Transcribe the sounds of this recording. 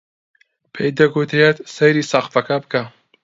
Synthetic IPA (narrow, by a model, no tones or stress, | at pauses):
pʰejd̪ɐɡut̪ɾet̪sejɾiːsaxfɐkɐbɨka